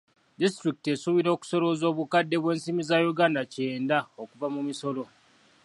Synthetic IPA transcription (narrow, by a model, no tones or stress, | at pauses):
dis̬tɾikite̞suβiɾo̞ːku̥so̞lo̞zo̞ːβukadːe̞βwe̞ːnsimizajuɡaːndace̞ːndaokuvamumiso̞lo̞